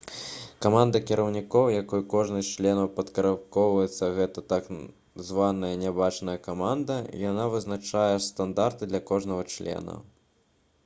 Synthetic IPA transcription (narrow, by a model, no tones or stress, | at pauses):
kamand̪ɐkʲiɾʔɐwnʲikɔwjakɔjkɔʐnɨsʲt͡ʂlʲɛnɐwpɐt̪kɐɾapkɔwvɐjɛt̪sːɐɣɛt̪ɐt̪ak | zvanɐjɐnʲabat͡ʂnɐjɐkamand̪ɐḭjanavɨznat͡ʂajɛst̪and̪art̪ɨd̪lʲɐkɔʐnɐɣɐt͡ʂlʲɛ̰nɐ̰